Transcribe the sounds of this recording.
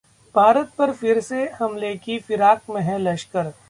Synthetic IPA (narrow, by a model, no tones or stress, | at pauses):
b̥ʱaːɾət̪̚pɐɾfɪɾsehɐmleːkifɪɾaːkmẽɦɛ̃lɐʃkəɾ